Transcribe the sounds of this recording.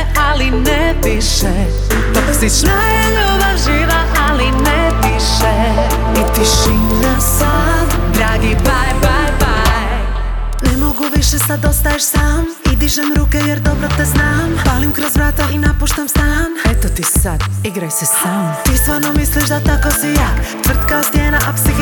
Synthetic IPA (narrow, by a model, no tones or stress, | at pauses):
alinɛ | d̪iʃɛ | t̪ɔksiʃna | ɛ | oðaʒiðɐʔalinɛ | d̪iʃɛ | it̪iʃinɐsaðd̪ɾaɡibajbajbaj | nɛmoɡuviʃɛsad̪ost̪aeʃsam | id̪iʒɛmɾukɛjɛɾd̪obɾot̪ɛznampalimkɾozvɾat̪ainapuʃt̪amsamɛt̪ot̪isad̪iɡɾajsest̪amt̪ist̪vaɾnomisliʃd̪at̪akosijakt̪vr̩t̪kaost̪jenaʔapsiɡ